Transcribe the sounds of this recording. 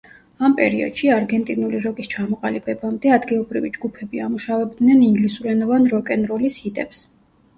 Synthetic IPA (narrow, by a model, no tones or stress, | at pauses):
ampʼɛ̰ɾiɔ̰d̪̥ʃiaɾɡɛnt̪ʼinuliɾɔkʼist͡ʃʰamɔqʼalibɛbamd̪ɛad̪ɡilˠɔbɾḭvḭd͡ʒɡupʰɛbiamuʃavɛb̚d̪nɛniŋɡlisuɾɛnɔvanɾɔkʼɛnɾɔlishit̪ʼɛps